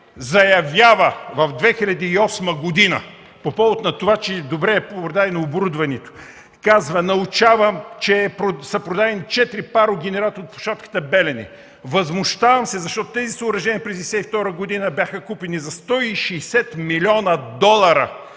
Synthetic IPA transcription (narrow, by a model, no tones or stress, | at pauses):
zɐjɐvʲjavɐvɐvd̪vɛxilʲɐd̪iːɔsməɡod̪inɐ | popɔvot̪nɐt̪ovat͡ʃɛd̪obɾɛːppɾod̪adɛnioboɾud̪vɐnɛt̪o̥ | kazvɐnɐʊt͡ʃavəmt͡ʃɛpɾosɐpɾod̪ad̪ɛnit͡ʃɛt̪iɾipaɾʊɡ̟ʲɛnɛɾat̪ot̪po̥ʃat̪kə̥t̪əbɛlɛnḭ | vɐzmʊʃt̪avɐmsɛzɐʃt̪ɔt̪ʊt̪ɛzisoʊɾɐʒɛniəpɾɛzɛsɛift̪ɔɾəɡʊd̪inɐbʲjaxəkupinizɐst̪ɔiʃɛːsɛt̪milʲɔnɐd̪ɔlˠɐɾɐ